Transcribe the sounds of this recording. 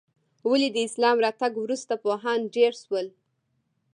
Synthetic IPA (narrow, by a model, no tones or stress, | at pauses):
walid̪əɪslɑmɾɑt̪aɡwɾust̪apoɦɑnɖeɾʃwəl